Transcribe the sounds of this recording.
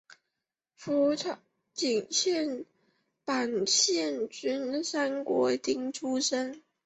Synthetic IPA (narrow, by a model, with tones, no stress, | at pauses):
fu˧˥ | t͡ɕi˨˩ŋɕjɛ˥˩n | pa˨˩nɕjɛ˥˩nt͡ɕy˥nsa˥nkwɔ˧˥t̪i˧˥ŋʈ͡ʂʰu˥ʂə˥n